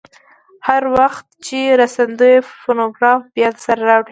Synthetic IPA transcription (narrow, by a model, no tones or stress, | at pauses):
haɾwaxt̪̚t͡ʃeɾasand̪əjfonoɡɾɑfbjɑd̪saɾaɾɑwɽi